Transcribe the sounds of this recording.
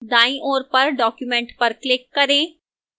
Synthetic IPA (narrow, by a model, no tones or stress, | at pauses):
d̪ãːĩʔoːɾpəɾɖɔːkjumɛ̃ːɳʈpəɾklɪkːɐɾẽː